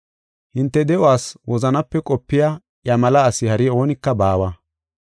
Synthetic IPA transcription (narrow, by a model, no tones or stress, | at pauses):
hɪnt̪ːɛd̪ɛʔwaːswɔzɐnɐpːɛkʼɔpːɪja | jɐmɐlɐːsɪhɐɾɪo̞ːnɪkːɐbaːwɐ